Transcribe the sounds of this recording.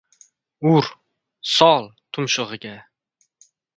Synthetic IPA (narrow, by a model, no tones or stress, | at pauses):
ʊɾ | sɒlˠt̪ʰʊmʃʊʁɨɡʲa